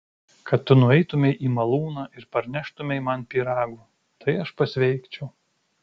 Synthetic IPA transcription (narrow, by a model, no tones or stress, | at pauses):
kɐt̪ːʊnʊɛɪt̪ʊmʲɛɪʔiːmɐlˠuːnɑːʔɪɾpɐɾʲnʲæʃt̪ʊmʲɛɪmɐnpʲiːɾɑːɡuː | t̪ɐɪɐʃpɐsʲʋʲɛɪkt͡ʃʲɛʊ